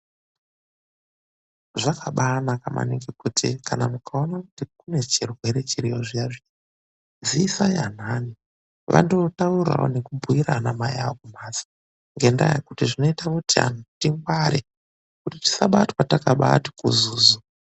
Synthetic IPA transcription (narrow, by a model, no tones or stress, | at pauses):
ʐakaɓanakama̰nikekutʰikanamukʰao̞naku̥tikune̞t͡ʃirwe̞ɾe̞t͡ʃiɾijoʐijaʐi | ziːsajan̤ani | ʋʔa̰ndotaura̰wo̰ne̞kubʱuiɾanamajaokumaːsḁ | ŋɡenda̰jḛkutiʐino̞itamutia̰nutiŋɡwaɾe | kutiti̥saɓatwatakaɓati̥kṵzuːzu